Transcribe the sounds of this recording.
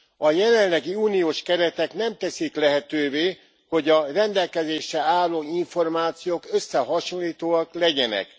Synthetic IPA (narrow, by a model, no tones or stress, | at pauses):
ɒjɛlɛnlːɛɡiuːnijoːʃkɛɾɛt̪ɛknɛmt̪ɛsiklɛɦɛt̪øːveː | ho̞ɟɒrɛnd̪ɛlkɛzeːʃɛaːlːoːiɱfo̞rmaːt̪sijoːkø̞sːɛɦɒʃonlːiːt̪oːɒklɛɟɛnɛ̰k